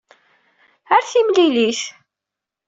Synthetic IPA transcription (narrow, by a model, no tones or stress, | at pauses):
əɾθimliliʃ